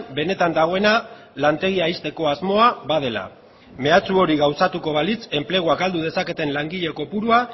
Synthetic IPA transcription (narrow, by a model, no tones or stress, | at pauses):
be̞ne̞t̪and̪aɣo̞e̞na | lant̪e̞ɣ̞iaist̪e̞ko̞azmo̞aβaðe̞la̰ | me̞at͡suo̞ɾiɣawsat̪uko̞βalit͡se̞mple̞ɣ̞uakald̪uð̞e̞sake̞t̪e̞nlaŋɡiʎe̞ko̞puɾua